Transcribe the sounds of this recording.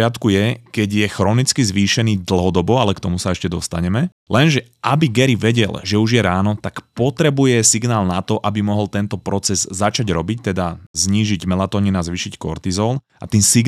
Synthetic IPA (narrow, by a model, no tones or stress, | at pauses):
ɪat̪kujɛkɛɟjɛxɾɔnit͡skizʋiːʃɛniːd̪l̩ˠɦɔd̪ɔbɔalɛkt̪ɔmusaɛʃcɛd̪ɔst̪aɲɛmɛ | lɛnʒɛʔabiɡɛɾiʋɛɟɛ̰lʒɛuʒjɛɾaːnɔt̪akpɔt̪ɾɛbujɛsiɡnaːlnat̪ɔʔabimɔɦɔlt̪ɛnt̪ɔpɾɔt͡sɛzːat͡ʃaɟɾɔbic̚t̪ɛd̪azɲiːʒiɟmɛlat̪ɔɲinazʋiːʃickɔ̰ɾt̪izɔl | a̰t̪iːnsiɡ